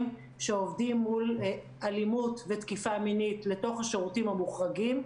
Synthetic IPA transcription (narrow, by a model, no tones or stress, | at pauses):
m | ʃeovdimːul | ʔalimutvetkifaminitle̞to̞χhaʃeʁutimhamuχʁaɡim